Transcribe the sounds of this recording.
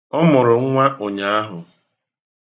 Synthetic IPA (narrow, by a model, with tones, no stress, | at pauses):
ɔ˦mʊ˨ɾʊ˨ŋ̩˦ŋʷa˦ʔo˨ɲa˨a˦ɦʊ˨